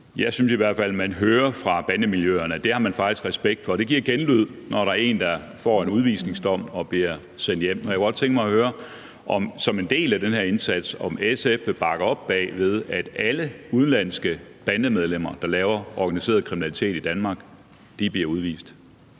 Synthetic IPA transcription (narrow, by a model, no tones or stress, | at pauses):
jɑɪsynsiʋæɐd̥fæl̰mænɦøːɐfʁɑ̈b̥ænəmiljøɐnəd̥e̝hɑ̈mænfɑ̈ɡ̥̚isɡ̥ʁɛsb̥eɡ̥̚d̥fɒ̽d̥e̝ɡ̥iɐ̰ɡ̥enlyð̞̰ˠnɒɾɑ̈ɐe̝̰ːnd̥ɑ̈ | fɒ̰ːe̝nuð̞ˠʋḭːsne̝ŋsd̥ɒ̽m̰ɒ̽b̥liɐ | sen̰d̥jem̰ɒjakəɡɒ̽d̥̚t͡sʰeŋɡ̥əmɑ̈ɪhøːɐ | ʔɒ̽msɒ̽me̝nd̥e̝̰ːlæd̥enhæɐe̝nsæd̥sɒ̽mesefʋe̝b̥ɑ̈ɡ̥ɐɒ̽b̥ːɛ̰ːʋe̝ð̞ˠæd̥æləuð̞ˠn̩læn̰sɡ̥əb̥ænəmeð̞ˠlem̰ɐd̥ɑ̈lɛːʊɐɒɡ̥ænise̝̰ːɐð̞ˠkʰʁiminælit͡sʰe̝̰ːd̥id̥ænmɑ̈ːɡ̥ | d̥ib̥liɐuð̞ˠʋḭːsd̥